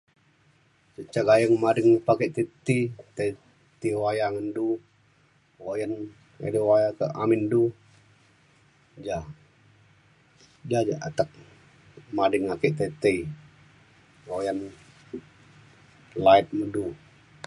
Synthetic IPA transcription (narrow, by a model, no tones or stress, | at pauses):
səʔt͡ʃaɡajəŋmadəŋpakəʔt̪ət̪it̪e | t̪iwajaŋəndu | wojən | ḛdiwajakəʔa̰mindu | d͡ʒa | d͡ʒad͡ʒaʔa̰t̪ək̚ | madəŋakəʔt̪et̪əi | ojən | laɪt̪̚mədu